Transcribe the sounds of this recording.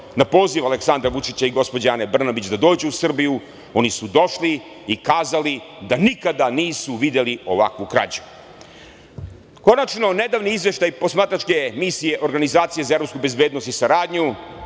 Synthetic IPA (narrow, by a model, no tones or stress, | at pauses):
napo̞ːziʋaleksand̪ɾaʋut͡ʃit͡ɕaiɡo̞spod͡ʑanebr̩nabit͡ɕd̪ad̪o̞ːd͡ʑuusr̩biju | o̞nisud̪o̞ʃli | ikaːzalid̪anikad̪aniːsuʋid̪e̞lio̞ʋa̰kʋukɾa̰d͡ʑu̥ | ko̞nat͡ʃno̞ne̞d̪aːʋniizʋe̞ʃt̪ajpo̞smaːt̪ɾat͡ʃke̞misije̞ʔo̞ɾɡanizaːt̪sije̞zaevɾo̞pskube̞zbe̞ːd̪no̞st̪isaɾaːd̪ɲu